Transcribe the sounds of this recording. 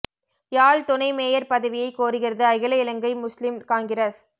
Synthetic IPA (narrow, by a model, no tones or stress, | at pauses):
jaːɭt̪ʊnɐɪmeːjɐɾpɐðɐʋɪjɐɪkːoːɾɯɣɪrɐðɯɐɣɪlɐɪlɐŋɡɐɪmʊslɪmkaːŋɡɪɾɐs